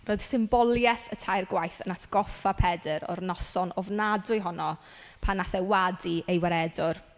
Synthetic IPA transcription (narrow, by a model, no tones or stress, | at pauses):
roːɨð̥sɪmbɔlˠjɛθətʰajrɡwajθənatʰɡ̥ɔfapʰɛdɨɾɔ̰rnɔsɔnɔvnadʊjɦɔnɔ | pʰanaθɛwadiejwɛɾɛdʊr